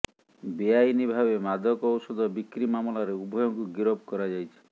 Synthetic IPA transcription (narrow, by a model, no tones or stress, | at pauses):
biajnibʱabemad̪ʱɔkɔwsɔd̪ʱɔbikɾimamɔlaɾeubʱɔjɔŋkuɡiɾɔb̚ʱkɔɾad͡ʒajt͡ʃʰi̥